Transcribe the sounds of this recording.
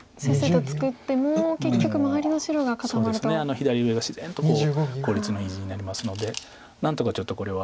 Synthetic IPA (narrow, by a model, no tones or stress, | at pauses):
seset̪ot͡sɨ̥kɯ̟t̪ːe̞moːke̞kʲːo̞kɯ̟maβaɾʲino̞ɕiɾo̞ɡakat̪admaɾɯsneano̞çid̪aɾʲiɯe̞ɡaɕiz̥ẽ̞̰nt̪o̞koko̞ːɾʲit͡sɨno̞iʑiɲ̟inaɾʲimasɨno̞d̪e̞ | nãnt̪o̞kat͡ɕo̞t̪ːo̞ko̞ɾe̞βa